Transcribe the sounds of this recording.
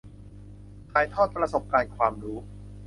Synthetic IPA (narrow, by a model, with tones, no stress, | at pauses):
kʰaː˧˩jt̪ʰɔː˥˩t̪̚pɾa˧so˨˩p̚kaː˧nkʰwaː˧mɾuː˦˥